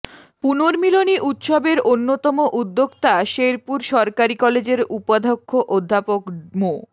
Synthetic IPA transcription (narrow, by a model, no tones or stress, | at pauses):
punoɾmiloniʔut̪ʃɔbeɾʔonːot̪ɔmoʔud̪ːoɡt̪aʃeɾpuɾʃɔɾkaɾikɔled͡ʑeɾupod̪ʱokʰːoʔod̪ʱːapokmo